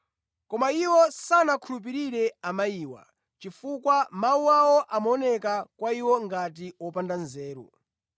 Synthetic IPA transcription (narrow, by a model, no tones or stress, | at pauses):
kɔmaiwɔsanakʰulup̬iɾiɾɛamaiːwa̰ | t͡ʃifukwamauawɔʔamaɔnɛkakwaiwɔŋɡat̬iɔpandanzɛːɾɔ̰